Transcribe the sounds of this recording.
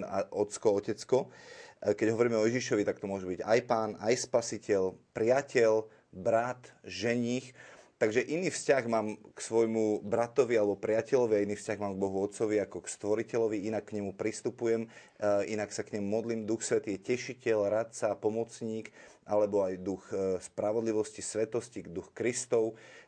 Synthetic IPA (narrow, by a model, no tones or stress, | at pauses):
aʔɔt̪t͡skɔɔcɛt͡skɔ | kɛɟɦɔʋɔɾiːmɛɔjɛʒiʃɔʋit̪akt̪ɔmʊɔʒɛbiɟa̰jpaːnajspasicɛʎpɾɪacɛʎ | bɾat̪ʒɛɲiːxt̪aɡʒɛʔiniːfscaɣmaːmksʋɔjmubɾat̪ɔʋialɛbɔpɾɪacɛʎɔʋiainiːfscaɣmaːmɡ̚bɔɦuɔt̪t͡sɔʋiakɔkst̪ʋɔɾicɛlɔʋiinakːɲɛmupɾist̪upujɛm | inaksakɲɛmumɔd̪liːmd̪uxsʋɛt̪iːjɛcɛʃicɛlɾat̪̚t͡sapɔmɔt͡sɲiːkalɛbɔajd̪uxspɾaʋɔd̪liʋɔscisʋɛt̪ɔscid̪uxkɾist̪ɔʊ